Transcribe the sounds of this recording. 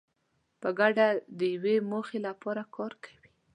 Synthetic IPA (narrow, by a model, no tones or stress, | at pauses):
pəɡaɖad̪əjawemoxelapɑɾakʰɑɾkʰḁwi̥